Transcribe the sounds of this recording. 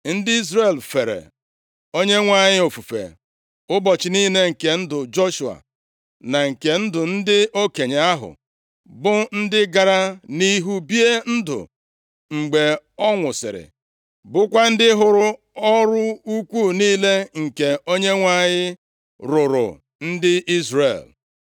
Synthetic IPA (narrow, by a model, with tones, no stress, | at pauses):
n̩˦dɪ˦i˦zɾe˨lfe˨ɾḛ˨ | o˦ɲe˦ŋʷa˦ɲɪ˦o˨fu˨fḛ˨ | ʊ˦bɔ˨t͡ʃɪ˨niː˦ne˦ŋ̩˨ke˨n̩˦dʊ˨d͡ʒo˦ʃu˨a̰˨ | na˨ŋ̩˨ke˨n̩˦dʊ˨n̩˦dɪ˦o˦ke˨ɲe˨a˦ɦʊ̰˨ | bʊ˦n̩˦dɪ˦ɡa˨ɾa˦ni˦ɦu˦bi˦e˦n̩˦dʊ̰˨ | ŋ͡m̩˨ɡ͡be˨ɔ˦ŋʷʊ˨sɪ̰˨ɾɪ̰˨ | bʊ˦kʷa˦n̩˦dɪ˦ɦʊ˨ɾʊ˦ | ɔ˦ɾʊ˦u˦kʷuː˦˨niː˦le˦ŋ̩˨ke˨o˦ɲe˦ŋʷa˦˨ɲɪ˦ | ɾʊ˨ɾʊ̰˨ | n̩˦dɪ˦ʔi˦zrḛ˨l